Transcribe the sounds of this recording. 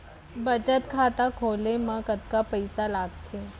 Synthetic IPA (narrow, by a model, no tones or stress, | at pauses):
bɐt͡ʃət̪kʰaːt̪akʰoːlemãkət̪̚kapɐɪsalaːɡt̪ʰeː